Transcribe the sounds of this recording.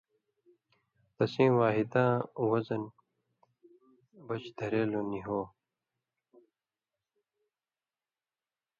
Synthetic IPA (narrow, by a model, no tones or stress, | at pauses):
t̪ɐsĩːwaːɦid̪ãːwɐzɐn | bɐt͡ɕd̪ʱɐɾeːloniɦoː